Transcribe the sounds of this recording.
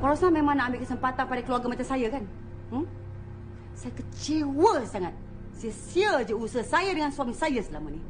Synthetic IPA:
kalasnamemanaambɪʔkəsəmpat̪anpadakəluarɡamat̪əsajakan̩ | sajakət͡ʃiwəsaŋat̪̚ | siəsiəd͡ʒəusəhsajadəŋansuamisajəsəlaməni

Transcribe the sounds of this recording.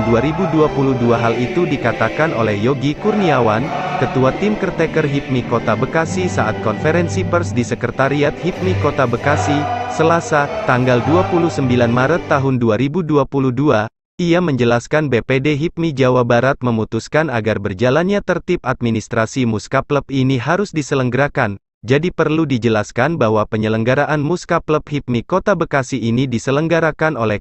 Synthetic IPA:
nduaɾibuduapuluduaɦalit̪udikat̪akanolɛhjɔɡikurniawankət̪uat̪ɪmkərt̪ɛkərɦit̪̚mikot̪abəkasisaʔat̪̚kɔnfeɾɛnsipərsdisəkərt̪aɾiat̪̚hit̪̚mikot̪abəkasisəlasat̪aŋɡalduapuluhsəmbilanmaɾət̪ːaɦʊnduaɾibuduapuluhdua | iaməɲd͡ʒəlaskanbepedeɦit̪̚mid͡ʒawabaɾat̪̚məmut̪uskanaɡarbərd͡ʒalanɲat̪ərt̪ip̚at̪̚minist̪ɾasimuskapləp̚iniɦaɾusdisələŋɡəɾakan | d͡ʒadipərludid͡ʒəlaskanbahɦwapəɲələŋɡaɾaʔanmuskapləp̚hit̪̚mikot̪abəkasiinidisələŋɡaɾakanolɛh

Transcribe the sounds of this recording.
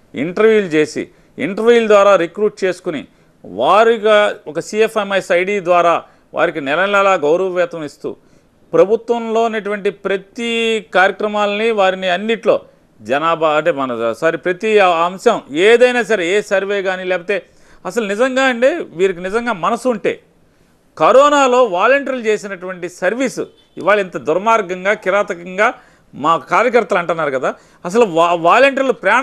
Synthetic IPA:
ḭɳʈɐɾʋjuːlt͡ʃe̞ːsḭ | ḭɳʈɐɾʋiːld̪ʋaːɾaːɾekɾuːʈ̚t͡ʃe̞ːsu̥kunḭ | ʋaːɾiɡɐɔkɐsiefemɐjsɐjɖiːd̪ʋaːɾaː | ʋʔa̰ːɾikinɛɾɐlalaːɡɐwɾɐʋɐʋɛːt̪ɐmist̪ṵː | pɾɐbʱut̪ʋɐmlo̞ːnɐʈuʋɐɳʈipɾɐt̪ikaːɾjɐkɾɐmaːlɐniʋaːɾiniɐnːiʈlo̞ː | d͡ʒɐnaːbaɐɳʈeːmɐnɐsaɾepɾɐt̪iɐmʂɐmeːd̪ɐjnaːs̬ɐɾeeːsɐɾʋe̞ːɡaːnilɛːpɐt̪e̞ː | ɐsɐlunizɐŋɡaːɐɳʈe̞ːʋiːɾɐk̬inizɐŋɡaːmɐnɐsuuɳʈe̞̰ː | kɐɾɔːnaːlo̞ːʋaːlɐɳʈɐɾlut͡ʃeːsinɐʈuʋɐɳʈisɐɾʋiːsṵ | ḭʋaːɭːɐint̪ɐd̪uɾmaːɾɡɐŋɡaːkiɾaːt̪ɐkɐŋɡaː | maːkaːɾjɐkɐɾt̪ɐlɐɳʈunːaːɾukɐd̪aː | ɐs̬ɐluʋaːlɐɳʈɐɾlupɾɐjaː

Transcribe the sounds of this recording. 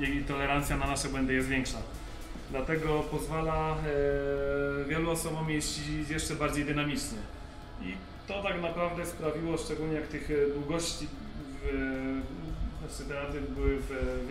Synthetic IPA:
jit̪ɔlɛɾant̪sʲjananaʂɛbwɛnd̪ɘjɛst̪vʲjɛŋkʂa̰ | d̪lat̪ɛɡɔpɔzvala | vʲjɛluɔsɔbɔ̃mjɛɕt͡ɕijɛʂt͡ʂɛbaɾd͡ʑejd̪ɘnamʲit͡ʂɲɛ | ḭ | t̪ɔt̪aɡnapɾavd̪ɛspɾavʲiwɔʂt͡ʂɛɡulɲɛjak̚t̪ɘxd̪wuɡɔɕt͡ɕi | v | sɨt̪ɛat̪ɘbɘwɘv

